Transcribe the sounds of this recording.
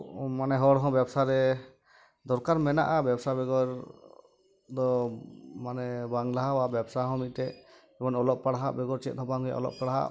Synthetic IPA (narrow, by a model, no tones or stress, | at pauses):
manɛɦɔɽɦɔ̃bjɛbsaɾɛ | d̪ɔɾkaɾmɛna̰ʔabɛbsabɛɡɔɾ | d̪ɔ | manɛbaŋlaɦababɛbsaɦɔ̃mit̪̚ˀʈɛʔ | ɛbɔnɔlɔʔ̚paɽaɦaʔbɛɡɔɾt͡ʃɛt̪̚ˀɔ̃baŋja̰ʔɔ̰lɔ̰p̚paɽaɦa̰